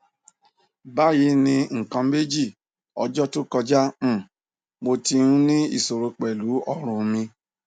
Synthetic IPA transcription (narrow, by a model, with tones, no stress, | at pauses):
ba˦ji˧˦nĩ˧ŋ̩˨kã˧˦me˦d͡ʒi˦˨ | ɔ̰˧˦d͡ʒɔ˦to˦kɔ˧d͡ʒa˦m̩˦˨ | mo˧ti˧ũ˧˦nĩ˦ḭ˦˨so˨ɾo˧k͡pɛ˨lu˨˦ɔ˦ɾ̃ũ˨˧mĩ˧